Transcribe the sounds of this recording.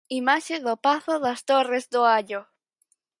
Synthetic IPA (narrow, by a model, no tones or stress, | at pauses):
imaʃeðopaθoðast̪orezd̪oaʎo